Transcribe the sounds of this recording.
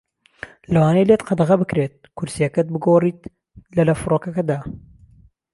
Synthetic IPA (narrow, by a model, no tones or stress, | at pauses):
lɐwaːnejlet̪qɑd̪ɐɣɐbɨkɾeːt̪̚kʰʊɾsijɐkɐt̪̚bɨɡoːriːt̪ | lɐlɐfɨɾoːkɐkɐd̪aː